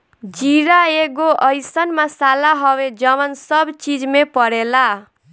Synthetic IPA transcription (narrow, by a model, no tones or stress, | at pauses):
d͡ziɾaeɡoʔʌjsʌnmasalaɦʌwed͡zʌmʌnsʌbt͡sid͡zmepʌɽela